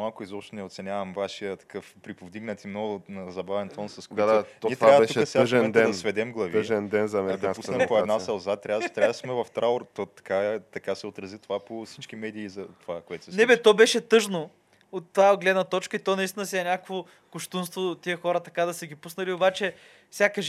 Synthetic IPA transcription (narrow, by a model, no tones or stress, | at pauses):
malˠkʊizɔpʃt̪onɛot̪sɛnʲavɐmvaʃijət̪ɐ̥kɤfpɾipovd̪iɡnɐt̪imnɔɡʊzɐbavɛnt̪ɔnsɐskoɛd̪niɛt̪avtusɛʒɛɛd̪ɛd̪ɐsvɛd̪ɛmɡlˠɐvəʒɛnd̪ɛnzɐmɛd̪ɐpusnɐpoɛd̪nasɐlˠzat̪ːɾʲavdt̪ɾavəd̪ɐsmɛvɐft̪ɾaoɾt̪ot̪ɐ̥kat̪ɐkasɛot̪ɾɐzit̪ovaposit͡ʃkimɛd̪iːzɐt̪ovakoɛt̪ʊ̥snnɛbɛt̪ɔbɛʃɛt̪ɤʒno | ot̪ːvaɡlɛd̪nɐt̪ɔt͡ʃkəit̪ɔnɐist̪inɐsiɛɛnʲakəkvo | kʊʃt̪unst̪voiəxɔɾɐt̪ɐkad̪ɐsəɡʲipusnɐliobat͡ʃɛ | fsʲakəʒ